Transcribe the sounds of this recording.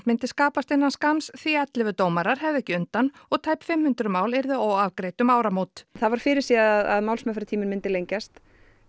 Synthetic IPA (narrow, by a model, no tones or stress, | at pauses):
mɪnt̪ɪskaːpast̪ɪnːanskansθiɛt̪lɪvʏt̪oːwmaɾaɾ̥hɛvðɛhcɪʏnt̪anɔɣt̪ʰaːjpfɪmhʏnt̪ɾʏmaːwlɛɾðɪoːwavkɾeːjt̪ʏmaːwɾamoːt̪θaðvaɾ̥fɪɾɪɾ̥siaðaðmawlsmɛfɾɪt̪ʰiːmɪnmɪnt̪ɪlejɲcast̪